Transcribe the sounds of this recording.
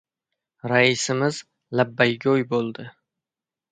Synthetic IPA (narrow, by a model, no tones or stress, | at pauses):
ɾaɪsɪmɪz | labːajɡʲojbolˠd̪ɪ